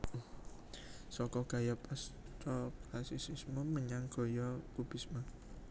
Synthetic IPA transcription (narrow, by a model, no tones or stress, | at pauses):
sɔkɔɡ̥a̤japʼast̪ɔklasisismoməɲaŋɡ̥ɔ̤jɔkub̥i̤sma